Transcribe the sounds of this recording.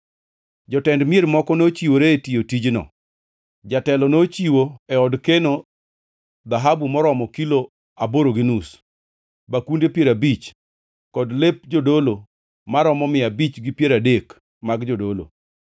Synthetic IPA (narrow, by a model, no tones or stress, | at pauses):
d͡ʒɔtɛndmɪeɾmɔkɔnot͡ʃiwoɾeːtiotid͡ʒnɔ̰ | d͡ʒatɛlɔnot͡ʃiwoɛɔdkeno | d̪aɦabumɔɾɔmɔkilo | aboɾoɡinus | bakundepjeɾabit͡ʃ | kɔdlep̚d͡ʒodolo | maɾɔmɔmɪabit͡ʃɡipjeɾadek | maɡd͡ʒodolo̰